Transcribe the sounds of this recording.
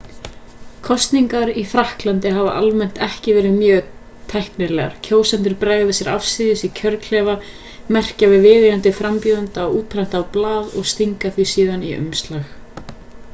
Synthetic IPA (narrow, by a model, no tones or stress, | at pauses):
kʰɔst̪niŋkaɾiθɾahklant̪ɪɦaːva̰ʔalmɛn̥t̪ɛhcɪvɛːɾɪðmjœːɣ | t̪ʰɛhknɪɾlɛɣa̰ɾ̥cʰoːwsɛnt̪ʏɾpɾaːɣvɪsjɛɾafsɪðɪsicʰœɾkʰl̥ɛːva | mɛr̥cavɪðvɪːðɪɾant̪ɪfɾampjuːðant̪aɔuːt̪̚pʰɾajn̥t̪avplaːðɔɣst̪iŋkaθvisiːðaniʔʏ̰mst̪lax